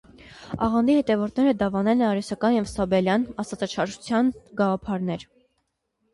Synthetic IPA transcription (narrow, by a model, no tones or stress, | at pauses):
ɑ̰ʁɑnd̪ihɛt̪ɛvɔɾt̪ʰnɛɾəd̪ɑvɑnɛlɛnɑɾɛsɑkɑnjɛvsɑbɛljɑnɑsɑt͡sɑt͡ʃʰɑɾʒut͡sʰjɑnɡɑʁɑpʰɑɾnɛɾ